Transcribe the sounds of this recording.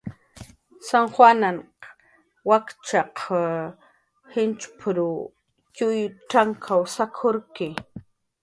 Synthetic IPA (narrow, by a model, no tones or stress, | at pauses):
saŋxwanan | wakt͡ʃaq | hɪnt͡ʃpʰɾʊ | cʊjʊʈ͡ʂaŋkʰawsakʰoɾkɪ